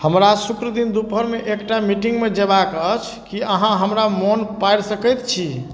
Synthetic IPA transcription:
həmɾasukɾəd̪ind̪upəɾmeʔekʈamiʈiŋɡmed͡ʒebakət͡ʃʰkiəɦãɦəmɾamonpajɽsəkəjt̪t͡ʃʰi

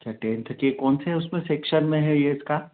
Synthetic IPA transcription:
t͡ʃʰaʈẽːnt̪ʰkiekɔːnseɦɛʊsmẽseːkʃənmẽɦɛjeɪska

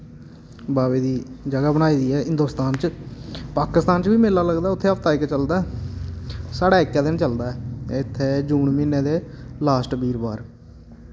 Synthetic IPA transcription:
baːʋeːd̪iːd͡ʒəɡaːbəñaːiːd̪iːɛːɦɪ̃nd̪oːst̪aːnt͡ʃpaːkɪst̪aːnt͡ʃbiːmelaːləɡd̪aːʊt̪ʰːeːəpʰt̪aːɪkːt͡ʃəld̪aːɛ | saːɽaːɪkːjãːd̪ɪnt͡ʃəld̪aːɛːɪt̪ʰːeːd͡ʒuːnmiːneːd̪eːlaːsʈbiːɾbaːɾ

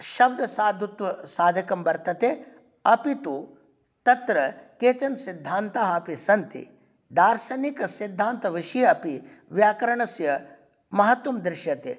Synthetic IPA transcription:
ʃɐb̚d̪ʱɐsaːd̪ʱut̪ʋɐsaːd̪ʱɐkɐmbɐɾt̪ɐt̪eː | ɐpit̪u | t̪ɐt̪ɾɐkeːt͡ʃɐnsid̪ʱːaːnt̪aɦaːpisɐnt̪ḭ | d̪ʱaːɾsɐnikɐsid̪ʱːaːnt̪ɐʋiʃijɐɐpi | ʋjaːkɐɾɐɳɐsjɐ | mɐɦɐt̪wɐmd̪ɾɪʃjɐt̪eː

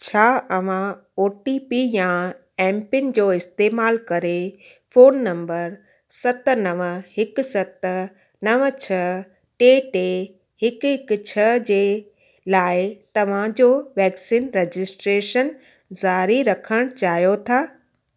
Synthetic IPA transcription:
t͡ɕʰaːʔɐʋ̤ã | oːʈipijã | ɛ̃ːmpɪnɪ̆d͡ʑoːɪst̪eːmaːlkɐɾe | foːnːɐ̃mbəɾ | sɐt̪nɐʋəhɪkʊsɐt̪ | nɐʋət͡ɕʰɐ | ʈeːʈeː | hɪkɦɪkt͡ɕʰɐd͡ʑeː | laːɪt̪ɐʋ̤ãd͡ʑoːʋɛːksiːnɾed͡ʑɪsʈɾeːʃən | zaːɾiɾɐkʰəɽ̃t͡ɕaːɦijot̪ʰaː

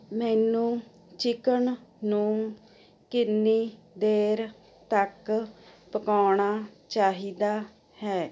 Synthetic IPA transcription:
mɛːnũː | t͡ʃɪkəɳnũː | kɪnːiː | d̪eːɾ | t̪əkpəkaːɳaːt͡ʃaːɦiːd̪aː | hɛː

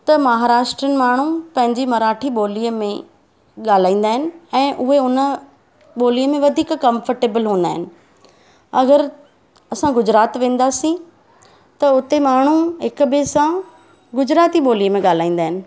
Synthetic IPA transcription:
t̪ɐmɐɦaːɾaːʃʈɾənɪ̆maːɳ̤upɐ̃ɦɪ̃ɲd͡ʑimɐɾaːʈʰiɓoːlijəmẽ | ɠaːl̤aːĩːn̆d̪aːɦɪnɪ̆ɛ̃ːʔʊɦeʊnə | ɓoːlijəmẽʋɐd̪ʱiːkkɐ̃mfəɾʈeːbəlɦũːnd̪aːɦɪnɪ̆ | ɐɣəɾ | ɐsãɡʊd͡ʑɾaːt̪ʋẽːn̆d̪aːsĩ | t̪ɐʊt̪emaːɳ̤uɦɪkbesã | ɡʊd͡ʑɾaːt̪iɓoːlijəmẽɠaːl̤aːĩːnd̪aːɦɪnɪ̆

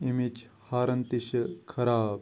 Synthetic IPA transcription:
imit͡ʃ | haːɾɐnt̪iɕɐkʰɐɾaːb̚

